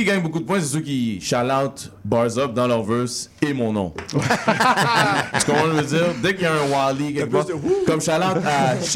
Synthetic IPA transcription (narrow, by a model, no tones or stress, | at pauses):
iɡaɲbokud̪əp̬wɛ̃sesøkʲiʃalaʊt̪bɑʁzɔp̚d̪ɑ̃lœʁvɜʁsemɔ̃nɔ̰̃ | ə̥kɔ̃t̪ɑ̃d̪vəd͡ziːʁd̪ɛkjɛ̃walikɛ̃kɔmʃalaʊt̪ʃ